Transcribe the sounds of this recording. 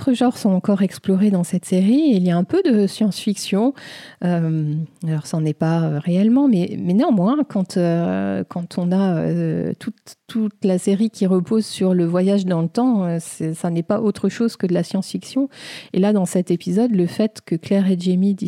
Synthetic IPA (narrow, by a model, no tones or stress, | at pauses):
ot̪χəʒɑ̃ʁsɔ̃ɑ̃kɔʁɛksplɔʁed̪ɑ̃sɛt̪seʁiiljaɛ̃pød̪əsjɑ̃sfiksjɔ̃ømalɔʁsɑnɛpaøʁeɛlmɑ̃mɛmɛneɑ̃mwɛ̃kɑ̃t̪økʰɑ̃t̪ʰɔ̃naø̰t̪ʰut̪ːut̪laseʁikʲiʁəpozsyʁləvwajaʒd̪ɑ̃lət̪ɑ̃øsɛsanɛpaʔot̪χəʃoz̥kəd̪əlasjɑ̃sfiksjɔ̃elad̪ɑ̃sɛt̪epizɔd̪ləfɛt̪kəklɛʁɛd̪ʒemid̪i